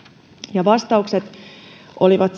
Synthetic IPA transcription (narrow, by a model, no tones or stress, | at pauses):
jɑʋɑst̪ɑukset̪ | ʔoliʋɑt̪s